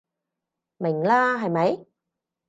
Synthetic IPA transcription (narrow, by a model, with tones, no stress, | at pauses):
mɪ˨˩ŋlaː˥ɦɐ˨jmɐ˨˥j